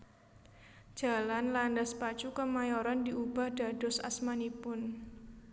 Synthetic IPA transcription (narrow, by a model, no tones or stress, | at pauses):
ʒ̥a̤lanlandaspat͡ʃukəmajɔɾɔndiubahd̥a̤d̥ɔsa̰smanipʊn